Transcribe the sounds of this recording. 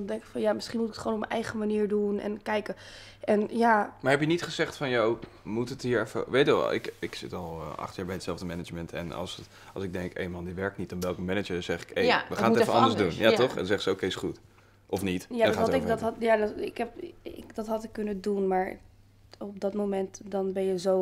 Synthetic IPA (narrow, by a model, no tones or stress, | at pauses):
ndɛŋkə̥fɑnjamɪsχinmutɪkətχʋoːnɔpmənʔɛjχəmaniːɹdunɛ̰nkɛjkə | ʔɛnjamaɹɦɛpjənitχəzɛχtfɑnjow | mutətɦiːɹɛfə̰ʋejtə̰ɪ̰kɪksɪtɑlˠɑ̰χtjaːɹbɛjətsɛlˠvdəmɛnəd͡ʒmɛntɛ̰nɑ̰lˠs | ɑlˠsɪɡ̚dɛŋkḛjnmɑndiʋɛɹk̚tnit̚dɔnʋɛlˠkəmɛnəd͡ʒəzɛχɪkejʋəχantɛfəɑ̰nddəɹzdunjatɔχɛ̰nsɛχsəowkesχut | ɔfnitjaaɑtɪkdttjadɪkɛpɪkdɑtɦɑtɪkːɵnədunmaːɹ | ɔp̚dɑtmomɛntdɑnbɛnjəzow